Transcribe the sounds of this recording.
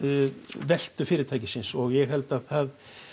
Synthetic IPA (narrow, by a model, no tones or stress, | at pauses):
vɛl̥t̪ʏfɪːɾɪt̪ʰaːjcɪsɪnsɔɣjɛɣɦɛlt̪aðθað